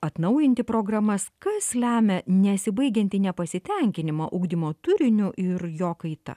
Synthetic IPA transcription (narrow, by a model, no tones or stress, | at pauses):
ɐt̪nɐʊjɪnʲt̪ʲɪpɾoːɡɾɐmɐskɐslʲæːmʲɛnʲɛsʲɪbɐɪɡʲɛnʲt̪ʲɪnʲɛpɐsʲɪt̪ʲɛŋʲkʲɪnʲɪmɐːʔʊɡd̪ʲɪmoːt̪ʊɾʲɪnʲʊʔɪɾjoːkɐɪt̪ɐ̰